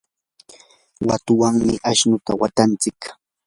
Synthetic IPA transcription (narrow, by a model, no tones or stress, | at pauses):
wat̪ʊwaŋmɪʔaʃnʊt̪awat̪ant͡sɪk